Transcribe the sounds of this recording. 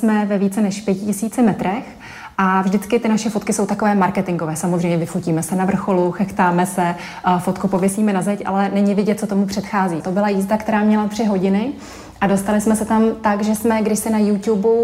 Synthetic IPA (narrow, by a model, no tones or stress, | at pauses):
smɛvɛviːt͡sɛnɛʃpjɛcɪcɪsiːt͡sɪmɛt̪ɾɛx | ʔavʒdɪt͡skɪt̪ɪnaʃɛfot̪kɪso̞wt̪ako̞vɛːmaɾkɛt̪ɪŋɡovɛːsamozrɛjmɲɛvɪfociːmɛsɛnavr̩xo̞luxɛxt̪aːmɛsɛ | fo̞t̪kupo̞vjɪsiːmɛnazɛcʔa̰lɛnɛɲɪvɪɟɛt̪̚t͡sot̪omupr̝̥ɛt̪xaːziːt̪o̞bɪlajiːzdakt̪ɛɾaːmɲɛlat̪r̥ɪɦo̞ɟɪnɪ | ʔado̞st̪alɪsmɛsɛt̪amt̪aɡʒɛsmɛɡdɪʃsɪnajut̪jubu